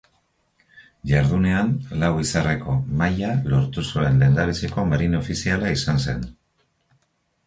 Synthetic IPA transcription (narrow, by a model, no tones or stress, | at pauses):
ʝaɾðune̞anlawisareko̞majalo̞ɾt̪usue̞nlend̪aɾit͡seko̞meɾino̞fisialaisanse̞̰n